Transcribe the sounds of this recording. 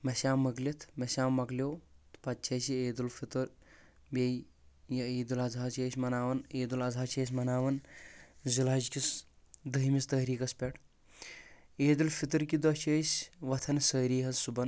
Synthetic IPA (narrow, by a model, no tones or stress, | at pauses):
mɐsʲaːmːɐɡlit̪ʰmɐsʲaːmːɐɡlʲoːt̪pɐt̪̚t͡ʃʰɐːsieːd̪ulfit̪uɾ | bʲej | jɐeːd̪ulɐzʱaːt͡ʃeːsʲmɐnaːʋɐneːd̪ulɐzʱaːt͡ʃʰɐːsʲmɐnaːʋɐn | zilaːd͡ʒkʲis | d̪ɐɦimist̪ɐːɦɾiːkɐspʲeʈʰ | eːd̪ulfit̪uɾkid̪ɐt͡ʃʰəːsʲʋɐt̪ʰɐnsəːɾiːɦɐzsubɐn